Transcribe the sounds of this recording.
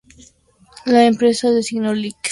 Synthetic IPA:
laempɾesaðesiɣnolik

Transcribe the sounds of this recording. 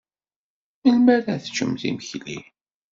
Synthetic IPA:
ælmæɾæθt͡ʃːə̰mθḭməçlḭ

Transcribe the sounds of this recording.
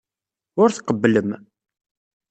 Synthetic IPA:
ʊɾθqəbːləm

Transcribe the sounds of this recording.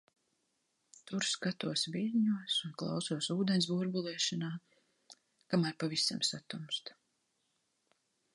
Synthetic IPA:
t̪uɾskat̪uɔsviɾɲuɔsunklˠa̰wsuɔsuːd̪ensbuɾbulˠɛːʃanaː | kamaɾpavisamsat̪umst̪

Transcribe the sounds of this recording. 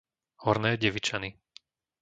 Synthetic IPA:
hɔɾnɛːɟɛʋit͡ʃani

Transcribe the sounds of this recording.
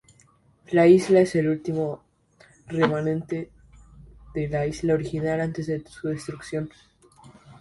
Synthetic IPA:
laizlae̞se̞lult̪imo̞ | re̞manẽ̞nt̪e̞ | ðe̞laizlaoɾixinalant̪e̞zðesuðest̪ɾuksjo̞n

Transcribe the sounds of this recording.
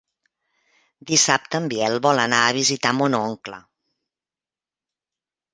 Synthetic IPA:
d̪isap̚t̪əːmbiɛlˠβɔlˠənaəβizit̪amonoŋklə̰

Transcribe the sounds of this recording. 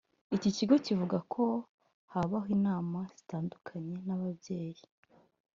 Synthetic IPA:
iciciɡo̞civuɡakʰo̞ | haβaɦiːnaːmaz̥i̥taːndukʰaɲe̞naβabje̞ːji

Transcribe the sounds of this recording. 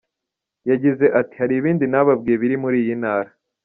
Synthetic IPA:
jaɟize̞ʔati̥haɾiβiːndinaβabɡijeβiɾimuɾiːjinhaːɾa

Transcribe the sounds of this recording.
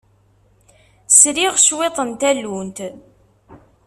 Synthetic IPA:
sɾiʁʃwet̪ˤənt̪ælːunt̪

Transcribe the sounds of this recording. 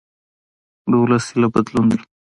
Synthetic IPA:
ɖowlasilabad̪lund̪i

